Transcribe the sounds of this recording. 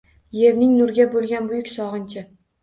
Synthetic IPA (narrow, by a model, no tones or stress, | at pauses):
je̞ɾnɪŋnʊɾɡʲabolˠɡʲanbʊjʊkʲsɒʁɨnt͡ʃʰɪ